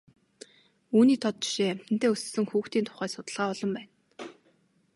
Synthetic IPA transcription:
uːniːt̪ʰɔt̪̚t͡ɕi̥ʃeːæm̥t̪ɘ̆nt̪ʰeːɵssɘ̆ŋxuːxt̪iːnt̪ʰʊ̥χæːsʊt̪ə̆ɮʁaːɔɮɞ̆mpæːn

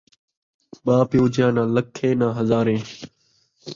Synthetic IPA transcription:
ɓaːpjoːd͡ʒjãːnãːləkʰːẽːnãːɦəzaːɾẽː

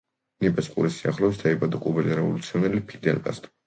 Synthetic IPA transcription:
nipʼɛsqʼṵɾisiaχlɛs̬d̪aibad̪ɔkʼubɛlɛɾɛṵlit̪sʰɛvnɛlipʰid̪ɛnkʼa̰st̪ʼ

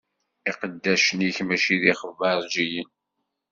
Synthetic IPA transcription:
iqəd̪ːæʃəniçmæʃiðiχəvɑɾˤd͡ʒijən

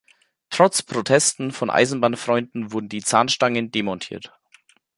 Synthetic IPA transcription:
tʁ̥ɔt͡spʁ̥otʰɛstn̩fɔnʔa̰ɪzn̩baːnfʁ̥ɔʏndn̩vʊɐdn̩diːt͡saːnʃtaŋəndemɔntʰḭːɐt

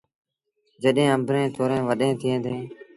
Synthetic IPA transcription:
d͡ʒəɗẽːə̃mbʱɾẽːt̪ʰoːɾẽːʋəɗẽːt̪ʰɪẽːnd̪ẽː

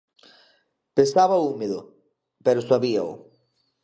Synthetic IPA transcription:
pẽnsaβaumeðʊ̰ | peɾʊsaβia̰o̰

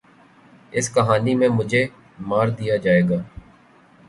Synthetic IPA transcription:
ɪskəɦaːniːmẽːmʊd͡ʒʱeː | maːɾd̪ijaːd͡ʒaːeːɡaː

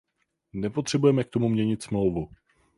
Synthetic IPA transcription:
nɛpot̪r̝̥ɛbujɛmɛk̚t̪o̞mumɲɛɲɪt̪smlo̞wvu

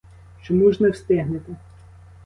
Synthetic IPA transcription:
t͡ʃɔmuʒnɛwst̪ɪɦnɪt̪ɪ

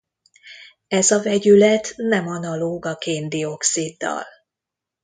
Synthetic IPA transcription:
ɛzɒvɛɟylɛt̪nɛmɒnɒloːɡɒkeːnd̪io̞ksid̪ːɒ̰l

